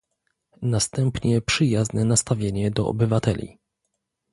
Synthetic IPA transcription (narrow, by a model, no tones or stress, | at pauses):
nast̪ɛmpɲɛpʂɘjaznɛnast̪avʲjeɲɛd̪ɔʔɔ̰bɘvat̪ɛlʲḭ